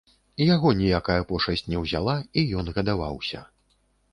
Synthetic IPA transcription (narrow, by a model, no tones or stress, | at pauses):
jaɣɔnʲijakajɐpɔʂɐsʲt͡sʲnʲɛwzʲa̰lˠaijɔnɣɐd̪ava̰wsʲɐ̰